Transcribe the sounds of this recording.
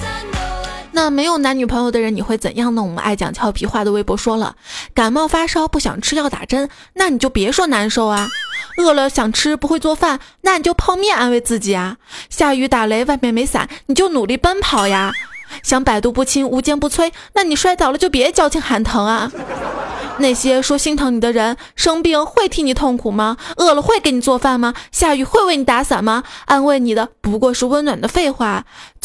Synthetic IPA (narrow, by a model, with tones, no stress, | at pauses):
na˥˩me˧˥ɪjo˨˩ʊna˧˥ny˨˩pʰɤ˧˥ŋjo˨˧ʊd̪ə˩ɻə˧˥ni˨˩xwe˥˩ɪt͡sə̰˨˩njɑ˥˧ŋnə˥˩ŋwɔ˨˩ə̰˦˧ʔa˥˩ɪt͡ɕjɑ̰˨˩ŋt͡ɕʰjɑ˥ʊpʰi˧˥xwa˥˩d̪ə˩we˥˩ɪpwɔ˧˥ʂwɔ˥lə̰˨˩ka˨˩nmɑ˥˩ʊfa˥ʂɑ˥ʊpu˥˩ɕjɑ̰˨˩ŋʈ͡ʂʰɻ̩˥jɑ˥˩ʊt̪a̰˨˩ʈ͡ʂə˥n | na˥˩ni˨˩t͡ɕjo˥˩ʊpjɛ˧˥ʂwɔ˥na˧˥nʂo˥ʊɐ˩ɤ˥˩lə˩ɕjɑ˨˩ŋʈ͡ʂʰɻ̩˥pu˧˥xwe˥˧t͡swɔ˥˧fa˥˩nna˥˩ni˨˩t͡ɕjo˥˧ʊpʰɑ˥˧ŋmjɛ˥˩na˥nwe˥˧ɪt͡sɹ̩˥˩t͡ɕi˨˩ɐ˦ɕja˥˩y˧˥t̪a˨˩le˧˥ɪwa˥˧ɪmjɛ˥˩nme˧˥ɪsa̰˨˩˦nni˨˩t͡ɕjo˥˩ʊnu˨˩li˥˩pə˥npʰɑ˨˩ʊja˧ɕjɑ˧˥ŋpa˨˩ɪt̪u˥˧pu˥˩t͡ɕʰi˥ŋu˧˥t͡ɕjɛ˥˧npu˧˥t͡sʰwe˥ɪna˥˩ni˨˩ʂwa˥˧ɪt͡sɑ˨˩ʊlə˦t͡ɕjo˥˩ʊpjɛ˧˥d̪t͡ɕjɑ˥ʊt͡ɕʰi˥ŋxa˧˥nt̪ʰɤ˧˥ŋɐ˧ | na˥˩ɪɕjɛ˥ʂwɔ˥ɕi˥ŋt̪ʰɤ˧˥ŋni˨˩d̪ə˦ɻə˧˥n | ʂɤ˥ŋpi˥˧ŋxwe˥˩ɪt̪ʰi˥ŋni˨˩t̪ʰʊ˥˩ŋkʰu˨˩mɐ˦ɤ˥˩lə˨˩xwe˥˩ɪke˧˥ɪni˨˩t͡swɔ˥˧fa˥˩nmɐ˩ɕja˥˧y˧˥xwe˥˧ɪwe˥˩ɪni˧˩˥t̪a˧˥sa˨˩nmɐ˦a˥nwe˥˩ɪni˨˩d̪ə˦pu˧˥kwɔ˥˧ʂɻ̩˥˧wə˥nnwa˨˩nd̪ə˦fe˥˧ɪxwa˥˩